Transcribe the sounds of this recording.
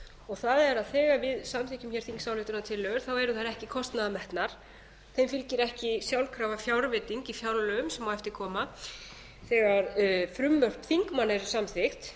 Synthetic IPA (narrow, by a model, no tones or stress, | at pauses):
ɔɣθaðɛɾaðθɛːɣavɪðsamθɪhcʏmçɛɾ̥θiŋksawlɪht̪ʏnat̪ʰɪlːœɣɾ̥θawɛɾʏθaɾɛhcɪkʰɔst̪naðmɛht̪naɾ̥ | θejmfɪlcɪɾɛhcɪsjawlkʰɾaːwvafjawɾvɪt̪iŋcifjawllʏʏmsɛmawɛft̪ɪɾkʰɔːma | θɛːɣaɾfɾʏmːœr̥pθiŋkmanɛɾsamθɪxt̪